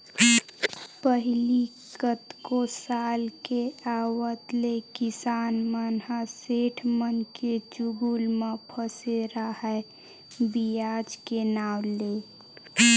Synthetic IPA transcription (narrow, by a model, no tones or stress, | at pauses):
pəɦɪli | kət̪kosaːlkeaːwət̪lekɪsaːnmənɦaseːʈʰmənket͡ʃuɡuːlmãpʰəseɾaɦɛ | bijaːd͡ʒkenaːwle